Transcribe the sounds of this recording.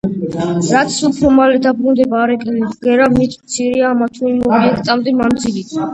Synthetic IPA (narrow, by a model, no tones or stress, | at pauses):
ɾat̪sʰupʰɾɔmalɛd̪abɾund̪ɛbaːɾɛkʼɛlid̪ɡɛɾamit̪ʰmt̪sʰiɾiaːmat̪ʰuimɔiɛkt̪ʼamd̪ɛmamd̪zilit̪ʰ